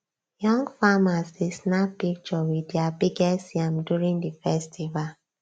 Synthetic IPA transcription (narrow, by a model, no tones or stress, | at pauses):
jɔ̃ŋɡfamasisnapik̚t͡ʃɔwidjabiɡɛsãmdjuɹĩŋdifɛstʰival